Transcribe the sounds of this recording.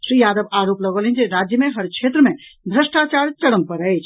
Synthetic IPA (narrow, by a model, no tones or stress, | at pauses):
sɾijaːd̪əbaɾopləɡəlɦind͡ʒeɾad͡ʒjəmeɦəɾkʰet̪ɾəmed̪ʱɾəsʈat͡ʃaɾt͡ʃəɽəmpəɾəjt͡ʃʰ